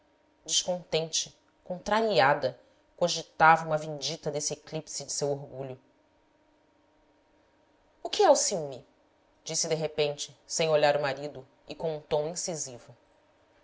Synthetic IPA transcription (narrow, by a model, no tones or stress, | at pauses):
d͡ʒɪʃkõnt̪ẽnt͡ʃɪ | kõnt̪ɾaɾiad̪ɐ | koʒit̪avɐũmɐvẽnd͡ʒit̪ɐd̪esɪeklipsɪd͡ʒɪsewoɾɡuʎʊ | ʊkɪɛusiwmi | d͡ʒisɪd̪eɦepẽnt͡ʃɪsẽj̃oʎaɾʊmaɾid̪ʊ | ɪkõw̃ũt̪õw̃ĩsizivʊ